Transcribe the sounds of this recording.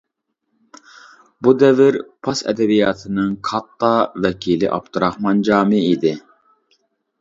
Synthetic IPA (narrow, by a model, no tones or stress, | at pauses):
bud̪ɛvɪɾpʰɑsɛ̰d̪ɛbijɑt̪ʰɨnɨŋkʰɑt̪ːɑvɛkʲʰilɪʔɑ̰p̚t̪ʰɨɾɑχmɑnd͡ʒɑːmɪid̪ɪ